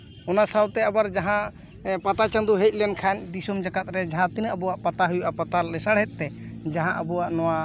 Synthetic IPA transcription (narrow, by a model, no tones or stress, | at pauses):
ɔnasawt̪ɛabaɾd͡ʒaɦã | pat̪at͡ʃãnd̪uɦɛc̚ˀlɛnkʰaɲd̪isɔmd͡ʒakat̪̚ɾɛd͡ʒaɦãt̪inaʔabɔwaʔpat̪aɦujuʔapat̪alɛsaɽɦɛt̪̚ˀt̪ːɛd͡ʒaɦãʔəbɔwaʔnɔwa